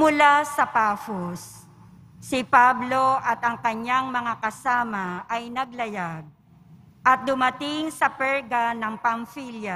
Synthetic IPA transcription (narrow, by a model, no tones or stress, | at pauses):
mʊlasɐpaːfosː | ɪpablo̞ʔɐt̪ɐŋkɐɲaŋmɐŋakɐsaːmɐʔɐjnɐɡ̚lɐjaɡ̚ | ʔɐt̪̚d̪ʊmɐt̪ɪŋsɐpɛɹɡanɐŋpɐmfilja